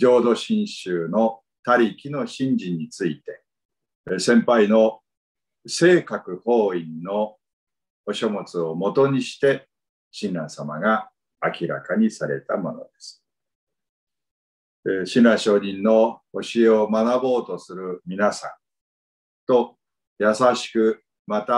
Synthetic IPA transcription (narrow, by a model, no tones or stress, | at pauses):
d͡ʑo̞ːd̪o̞ɕĩɰ̃ɕɨːno̞ | t̪aɾʲikʲino̞ɕĩɲ̟d͡ʑĩɲ̟ːit͡sɨit̪e̞ | sẽ̞mpaino̞ | se̞ːkakɯ̟ho̞ːĩnːo̞ | oɕo̞mot͡sɨomo̞t̪o̞ɲ̟iɕi̥t̪e̞ | ɕĩnɾãɰ̃samaɡaː | kʲiɾa̰kaɲ̟isaɾe̞̰t̪amo̞no̞̰d̪e̞sɨ̥ | ɕinaɕo̞ːɲĩnːo̞oɕieomanabo̞ːt̪o̞sɨɾɯ̟mʲinasã̰n | t̪o̞ | jasaɕi̥kɯ̟ | mat̪a